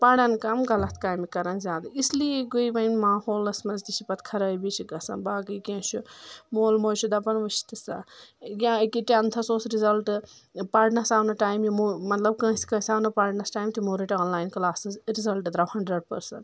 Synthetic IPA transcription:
pɐɽɐnkɐmɡɐlɐt̪ʰkaːjmikɐɾɐnzʲaːd̪ɨislijeɡoiʋɐjnmaːhoːlɐsmɐzt̪it͡ʃipɐt̪kʰɐɾɐːbit͡ʃʰiɡɐsɐ̰nbaːɡɨjkẽːt͡ʃʰumoːlmoːt͡ʃʰud̪ɐpɐnʋɐʃt̪isɐ̰ɡʲãkiʈeɐnt̪ʰɐsoːsɾizɐlʈ | paːɾɖnɐsaːwnɐʈaːjmjimomɐt̪lɐb̚kɐ̃ːsi̥kɐ̃ːsʲaːwnɐpaːɾʈnɐsʈaːjmt̪ʰimoːɾiʈiãːnlaːjnklaːsɨzɾizɐlʈd̪ɾɐwhɐɳɖɾɐɖ̚pɐɾsɐ̰nʈ

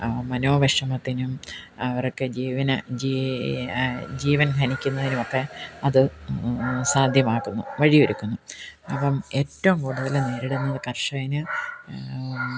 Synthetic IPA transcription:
mɐno̞ːʋɐʂɐmɐt̪ːinumɐʋɐrokːed͡ʑiːʋɐnɐd͡ʑi | d͡ʑiːʋɐnk̪ʰɐnikʲːunːɐðinumokːe̞ɐðɨ | saːd̪ʱjɐmaːɣunːṵʋɐɻiʋɐɾukʲːunːuɐpːɐme̞ːtːɐʋumkuːɽuðɐlne̞ːɾiɽunːɐðɨkɐrʂɐjinɨ

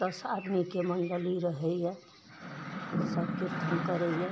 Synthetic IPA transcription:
t̪əsad̪mikemənɖəliɾəɦɛja | səbkiɾt̪ʰənkəɾɛja

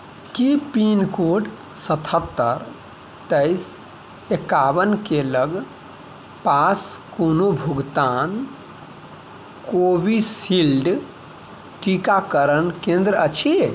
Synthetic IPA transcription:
kipinkoɖ | sət̪ʰət̪ːəɾ | t̪əɪs | ekabənkeləɡ | paskonobʱuɡt̪an | kobisilɖ | ʈikakəɾənkẽnd̪ɾət͡ʃʰi

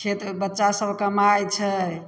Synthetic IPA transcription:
t͡ʃʰet̪bətːʃasəbʱkəmajt͡ʃʰə

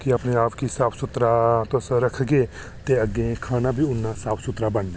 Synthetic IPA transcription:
kɪəpneːaːpkisaːpʰsʊt̪ɾaːt̪osɾəkʰɡeː | t̪eːəɡːẽːkʰaːnãːbʱiːʊnːãːsaːpʰsʊt̪ɾaːbəɳd̪

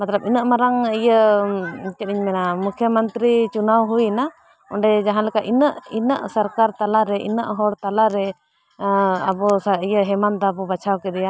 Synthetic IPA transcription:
mat̪labinəʔmaɾaŋijə | t͡ʃɛɗiɲmɛnamukʰjəmənt̪ɾit͡ʃunawɦujna | ɔ̰ɳɖɛd͡ʒaɦãnlɛkaʔinəʔinəʔsəɾkaɾt̪alaɾɛʔḭnəʔɦɔɽt̪alaɾɛ | abɔsaijəɦɛmand̪aabɔbat͡ʃʰawkɛd̪ɛja

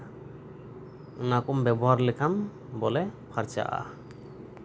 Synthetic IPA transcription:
unakɔmbɛbɔɦaɾlɛkʰam | bɔlɛpʰaɾt͡ʃa̰ʔa̰

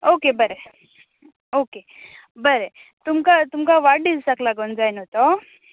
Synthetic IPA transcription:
okebɐɾe | oːke | bɐɾe | t̪umkat̪umkaʋaɖilsaklaɡond͡zajnot̪o

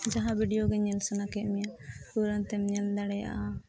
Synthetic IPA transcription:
d͡ʒaɦãbʱiɖijoɡɛɲɛlsanakɛʔ̪mijapuɾənt̪ɛmɲɛld̪aɽɛja̰ʔa

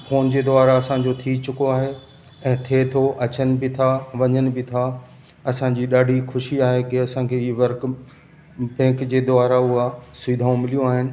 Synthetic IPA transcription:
foːnd͡ʑeːd̪oaːɾaɐsãɲd͡ʑot̪ʰit͡ɕʊkoaːɦe | ɛ̃ːt̪ʰet̪ʰoʔɐt͡ɕənɪ̆bɪt̪ʰaʋɐɲənɪ̆bɪt̪ʰa | ɐsãɲd͡ʑiɗaːɖʱixʰʊʃiaːɦekɪɐsãkʰeːɪʋɐɾk | pɛ̃ːkd͡ʑeːd̪ʊaːɾaʊɦasʊːd̪ʱaːũmɪlijũaːɦɪnɪ̆

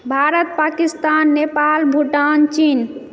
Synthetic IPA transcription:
bʱaɾət̪pakist̪anːepalbʱuʈant͡ʃin

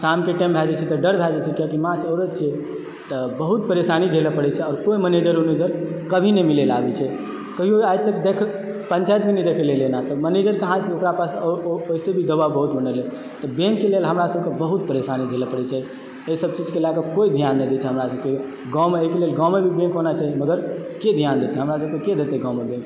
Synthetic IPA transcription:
samkeʈɛ̃mbʱɛd͡ʒɛt͡ʃʰɛt̪ɔɖəɾbʱɛd͡ʒɛt͡ʃʰɛkijakimãt͡ʃəɾət̪t͡ʃʰiɛ | t̪ɔbəɦut̪̚pəɾesanid͡ʒʱelɛpəɽɛt͡ʃʰɛɔːɾkoiməned͡ʒəɾoned͡ʒəɾkəbʱinemilelabɛt͡ʃʰɛ | kəɦioajt̪əkd̪ekʰ | pənt͡ʃajt̪̚bʱinɛd̪ekʰɛlelenat̪ɔməned͡ʒəɾkəɦãt͡ʃʰɛokɾapasoisebʱid̪əbabəɦut̪bənəle | t̪ɔbẽŋkːelelɦəmɾasəb̚ʱkebəɦut̪̚pəɾesanid͡ʒʱelɛpəɽɛt͡ʃʰɛ | esəb̚t͡ʃid͡ʒkelakekoid̪ʱijanːɛd̪et͡ʃʰɛɦəmɾasəb̚ke | ɡãwmeəikelelɡãwmebʱibẽŋkɦonat͡ʃʰaiməɡəɾked̪ʱijand̪et̪ɛɦəmɾasəb̚keked̪et̪ɛɡãwmebẽŋk

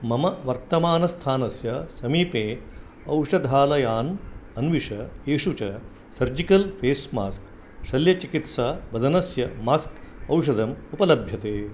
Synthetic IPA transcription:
mɐmɐʋɐɾt̪ɐmaːnɐst̪ʰaːnɐsjɐsɐmiːpeː | ɐwʂɐd̪ʱaːlɐjaːnɐnʋiʂɐeːʂut͡ʃɐ | sɐɾd͡ʒikɐlpʰeːsmaːsk | ʃɐljɐt͡ʃikit̪saːʋɐd̪ʱɐnɐsjɐmaːskɐwʂɐd̪ɐmupɐlɐbʱjɐt̪eː

